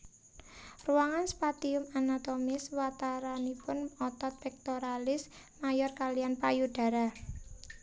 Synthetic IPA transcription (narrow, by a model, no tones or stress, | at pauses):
ruaŋanspat̪iʊmanat̪omɪswat̪aɾanipʊnɔt̪ɔt̪̚pɛk̚t̪oɾalɪs | majɔrkalianpajuɖ̥a̤ɾa